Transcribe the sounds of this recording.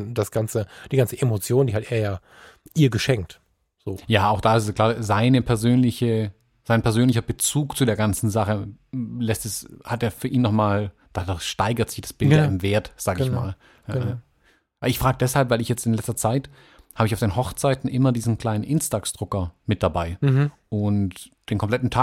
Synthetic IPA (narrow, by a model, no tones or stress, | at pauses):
d̥asɡ̥ant͡səd̥iːɡant͡səʔemot͡sjoːndiːɦalteeːɐjaː | ʔiːɐɡəʃɛŋk̚t | z̥oːjaːʔaʊxd̥aːɪsskl̥aːzaɪnəpʰɛɐzøːnlɪçə | z̥aɪnpʰɛɐzøːnlɪçɐbət͡suːkt͡sudeːɐɡant͡sn̩zaχəlɛstɛshat̚deːɐfyːɐʔiːnːɔχmaːl | d̥adaʃtaɪɡɐtz̥ɪçd̥asb̥ɪllɪmveːɐtz̥aːɡəɪçma̰ːl | a | ʔabɪçfʁ̥aːɡədɛshalpvaɪlɪçjɛt͡stɪnlɛt͡stɐt͡saɪt | haːbɪçaʊfd̥eːnhɦɔχt͡saɪtn̩ʔɪmɐdiːzn̩kl̥aɪnənʔɪnstaːksd̥ʁʊkɐmɪt̚d̥abaɪʔʊnt | d̥eːnkʰɔmplɛtn̩tʰaː